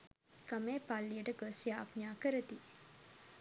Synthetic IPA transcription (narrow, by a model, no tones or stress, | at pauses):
kameːpalːijəʈəɡosijaːpɲaːkəɾət̪i